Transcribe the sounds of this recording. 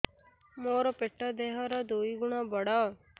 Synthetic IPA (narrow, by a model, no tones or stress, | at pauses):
moːɾopeʈːaːd̪eːɦãːɾad̪oːiːɡʊɳãːbəɽaː